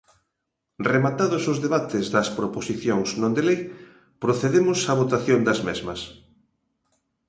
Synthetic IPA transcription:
remat̪aðʊsʊzðeβat̪ɪzðɐspɾoposiθjoŋznõnd̪elej | pɾoθeðemʊsaβot̪aθjond̪ɐzmezmɐs

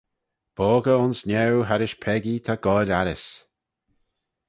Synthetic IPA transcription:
b̥ɔːɡəʊnsnʲɛwɦaɾɪʃpʰɛɡit̪ʰaɡ̥ɔːlʲaɾɪs

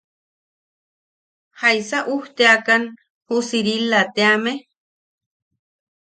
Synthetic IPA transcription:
hajsaʔuht̪eakan | husiɾilat̪eame

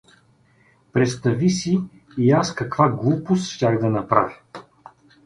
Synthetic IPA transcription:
pɾɛt̪st̪ɐvisiː | askɐkvaɡlˠupost̪ʃtʲaxd̪ɐnɐpɾa̰vʲ

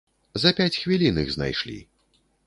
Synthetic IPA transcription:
zɐpʲat͡sʲxvʲilʲinɨ̰ɣzna̰jʂlʲḭ

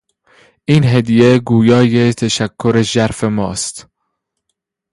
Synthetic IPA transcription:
ʔiːnɦed̪ijeɡuːjɒːjet̪ʰæʃækʰːoɾeʒæɾfemɒ̰ːst̪

